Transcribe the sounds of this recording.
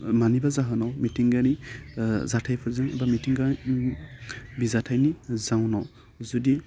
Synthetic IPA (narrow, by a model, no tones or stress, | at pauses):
manibazaɦɯnɔwmitiŋɡani | zatʰajpʰɔɹzanɛbamitiŋɡa | bizatʰajnizawnɔ | zɔdi